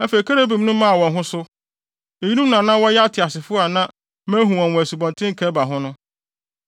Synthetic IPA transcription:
æ˦fe˨kʰa˦ɾa˦bĩ˨m˦nũ˦mã˦˨wɔ̃˨nɦʊ̃˦sʊ˦ | e˨ji˦nũ˦m˦nã˨nã˦wɔ˦jɛ˦a˦tʰɪ˨a˨sɪ˨fʊ˦a˨nã˦ | mæ̃˦ɦũ˨ɔ̃˨nwɔ̃˨su˨bɔ̃˨ntʰɪ̃˦ŋ̩˨kʰɛ˦ba˨ɦʊ̃˦nʊ̃˦

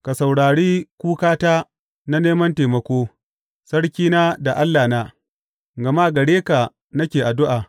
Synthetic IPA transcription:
ka˨sa˨wɽaː˨ɽiː˦kʷuː˦kaː˦taː˦ | na˦neː˦mɐ˦nteː˨mɐ˨˦kʷoː˦ | sɐ˦ɽkʲiː˦naː˦da˨ʔa˦lːaː˨na˦ | ɡɐ˨ma˦ɡɐ˨ɽeː˦ka˨ | nɐ˦kʲeː˨ʔa˨dʊ˦ʔaː˨

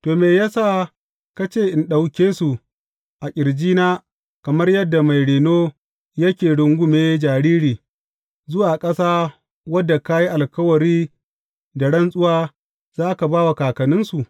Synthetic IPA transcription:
toː˨meː˨jaː˦saː˦ | ka˦t͡ʃeː˦˨ʔɪ˨nɗa˨wkʲeː˦su˨ | ʔa˨kʲʼɪ˨ɽd͡ʒiː˦naː˦ | kɐ˨mɐ˦rjɐ˦dːa˨ma˨jɽeː˨noː˦ | jɐ˦kʲeː˨ɽʊ˨ŋɡʷʊ˦meː˦d͡ʒaː˨ɽiː˦ɾiː˨ | zʊ˦waː˨kʼɐ˦saː˦ | wɐ˦dːa˨ka˦ji˦ʔa˨lkɐ˦wɐ˨ɾiː˦ | da˨ɽɐ˦nsʼʊ˦waː˦ | z̥aː˦ka˨baː˦wa˨kaː˨kɐ˨nɪ˦nsu˨ʔ

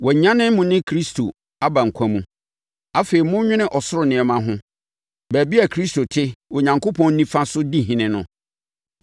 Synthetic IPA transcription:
wɛ˨ɲ˨ɲã˦nɪ̃˦mʊ̃˨nɪ̃˦kʰɾi˦stʰo˨ | a˦ba˨ŋ̩˨kʰʷã˦mũ˦ | a˦fe˨i˨mʊ̃˦ɲᶣɪ̃˦nɪ̃˦ʔɔ˨sʊ˦ɾʊ˨nɪ̃˨ɛ˨mã˦ɦʊ̃˦ | bæ˨bi˦a˨kʰɾi˦sto˨tʰɪ˦o˨ɲã˨ŋko˦pʰɔ̃˦n̩˦nĩ˦fã˦sʊ˦di˦ɦɪ̃˨nɪ̃˨nʊ̃˦

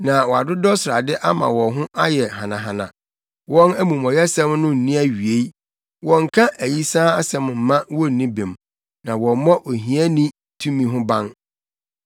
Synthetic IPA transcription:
nã˨wɔ˨a˨dʊ˦dɔ˦sa˨dɪ˦ʔa˦mã̰˨wɔ̃˨ɦʊ̃˦ʔa˦jɛ˨ɦã˨nã˨ɦã˨nã̰˨ | wɔ̃˦næ˦mũ˨mɔ̃˨jɛ˦sɛ̃˦mnʊ̃˦n̩˨nĩ˦æ˦ɥi˨e˦ | wɔ̃˨ŋ̩˨kʰã˦ʔæ˨ji˦sãː˦a˦sɛ̃˨m˨m̩˨mã˦wɔ˦n̩˨nĩ˦bĩ˨m | nã˨wɔ̃˨˦mɔ̃˦ʔo˨ɦĩ˦æ˦nĩ˦ | tʰũ˦mĩ˨ɦʊ̃˦bã˦n

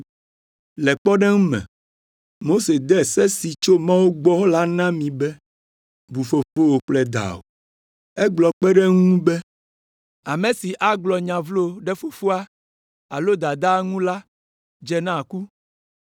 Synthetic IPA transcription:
lɛ˨k͡pɔ˦ɖɛ˦ŋũ˦mɛ̰̃˨ | mo˦se˨d̪ɛ˦˨sɛ˦si˨t͡ʃo˦mã˦wo˦ɡ͡bɔ˦la˦nã˦mĩ˨bɛ˦ | bu˨fo˨fo˦wo˨k͡plɛ˦d̪a̰˨wo̰˨ | ɛ˦ɡ͡blɔ˨k͡pɛ˦ɖɛ˦ŋũ˦bɛ˦ | a˨mẽ˨si˨ʔa˦ɡ͡blɔ˨ɲã˨vlo˦ɖɛ˦fo˨fu˦a˦ | a˨lo˦d̪a˨d̪a˦ŋũ˦la˦ | d͡ʒɛ˨nã˦˨ku˦

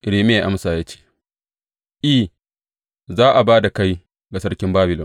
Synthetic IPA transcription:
ʔɪ˨ɽiː˨me˦a˨ʔa˦msaː˨jaː˦t͡ʃe̥ː˦˨ | ʔiː˦˨ | zaː˦ʔa˨baː˦da˨ka˦j | ɡa˨sɐ˦rkʲɪ˦mbaː˦bɪ˨lɔ˨n

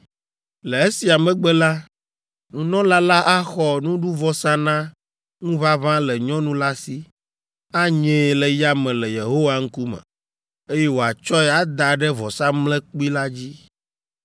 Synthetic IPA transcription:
lɛ˨e˦si˨a˨mɛ̃˦ɡ͡bɛ˦la˦ | nũ˨nɔ̃˦la˦la˦ʔa˦xɔ˨nũ˦ɖu˦vɔ˦sã˦nã˦ | ŋũ˦βa˦βã˦lɛ˨ɲɔ̃˦nũ˦la˦si˦ | a˦ɲẽ˦˨lɛ˨ja˦mɛ̃˨lɛ˨je˨ɦo˦wa˦ŋ̩˦ku˦mɛ̰̃˨ | e˦jɛ˦wo˨a˨t͡ʃɔ˦ɛ˦a˦d̪a˨ɖɛ˦vɔ˨sã˦mlɛ̃˦k͡pu˦i˦la˦d͡ʑi˦

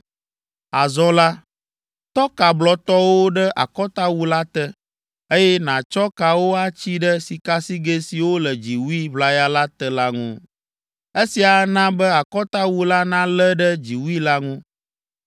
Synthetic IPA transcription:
a˨zɔ̃˦la˦ | t̪ɔ˦ka˨blɔ˨t̪ɔ˦wo˦ɖɛ˦ʔa̰˨kɔ˦t̪a˦wu˦la˦t̪ɛ˦ | e˦jɛ˦nã˨t͡ʃɔ˦ka˨wo˦a˦t͡ɕi˦ɖə˦si˨ka˦si˦ɡe˦si˨wo˦lə˨d͡ʑi˨wu˦i˦βla˦ja˦la˦t̪ɛ˦la˦ŋṵ̃˦ | e˦si˨a˨nã˦bɛ˦a˨kɔ˦t̪a˦wu˦la˦nã˦lɛ˦ɖɛ˦d͡ʑi˨wu˦i˦la˦ŋũ˦

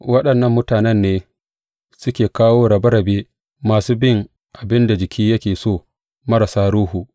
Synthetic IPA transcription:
wɐ˦ɗɐ˨nːɐ˦mːʊ˦taː˨nɛ˦nːeː˦ | sʊ˦kʲeː˨kaː˦woː˦ɾɐ˨bɐ˦ɾɐ˨beː˦ | maː˨suː˦bɪ˦˨ŋ | ʔa˨bɪ˦nda˨d͡ʒɪ˨kʲʰiː˦jɐ˦kʲeː˨soː˦˨ | mɐ˦ɾa˨saː˦ɽuː˦hu˨ʔ

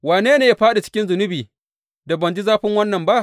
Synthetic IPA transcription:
waː˨neː˦neː˨ja˦ɸaː˦ɗe˨t͡ʃɪ̥˦kʲɪ˦nzʊ˨nʊ˦biː˨ | da˨bɐ˨nd͡ʒi˦zaː˦ɸɪ˦ŋwɐ˦nːɐ˨mba˦ʔ

